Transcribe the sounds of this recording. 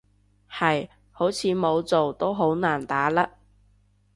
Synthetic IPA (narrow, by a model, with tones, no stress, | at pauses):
hɐ˨j | ho˨˥wt͡sʰiː˨˧mo˨˧wt͡so˨wt̪o˥wɦo˨˥wnaː˨˩nt̪aː˨˥lɐ˥k̚